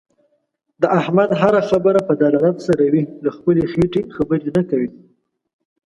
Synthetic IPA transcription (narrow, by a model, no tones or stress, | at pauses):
d̪əʔahmad̪ɦaɾaxabəɾapəd̪alalat̪saɾawilaxpəlexeʈexabəɾenakawi